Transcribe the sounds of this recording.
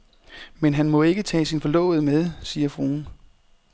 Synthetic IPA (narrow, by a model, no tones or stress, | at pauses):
menɦænmɒ̽e̝ɡ̥ət͡sʰɛ̰ːsinfɒ̽lɔ̰̽ːʊð̩ˠmeð̞ˠsiːɐfʁoːn